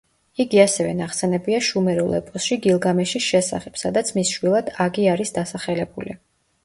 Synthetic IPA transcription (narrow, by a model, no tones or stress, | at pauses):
iɡiasɛvɛnaχsɛnɛbiaʃumɛɾulˠɛ̰pʼɔsʃiɡilˠɡamɛʃisʃɛsa̰χɛb̥sad̪at̪sʰmisʃwilˠad̪̥aɡiaɾisd̪asaχɛlɛbulḭ